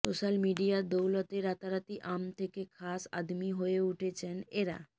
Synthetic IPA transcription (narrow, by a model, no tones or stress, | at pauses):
soʃalmiɖijaɾd̪owlot̪eɾat̪aɾat̪iʔamt̪ʰekekʰasa̰d̪miɦoeuʈʰet͡ɕʰeneɾa̰